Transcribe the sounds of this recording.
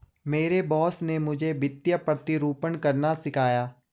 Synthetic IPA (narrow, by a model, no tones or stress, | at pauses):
meːɾebɔːsnemʊd͡ʒʱebɪt̪jəpɾət̪ɪɾuːpənkəɾnasɪkʰaːjaː